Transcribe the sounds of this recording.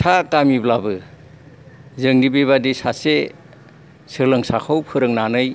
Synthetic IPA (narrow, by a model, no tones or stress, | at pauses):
tʰakamiblabɯ | zɯŋɡibeβadisase | sɯɾlɯŋsakʰawpʰɯɾɯŋnanɯj